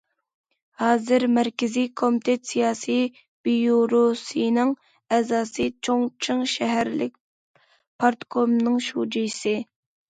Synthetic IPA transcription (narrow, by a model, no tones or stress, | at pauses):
hɑːzɨɾmæɾkʲɪzijkʰomit̪ʰɛt̪sijɑːsi | b̥ijoɾosɨjnɪŋ | ɛzɑːsɨt͡ʃʰoŋt͡ʃʰɨŋʃɛɦæɾlɪk̚ʲ | pʰɑɾt̪kʰomnɨŋʃud͡ʒijsɨ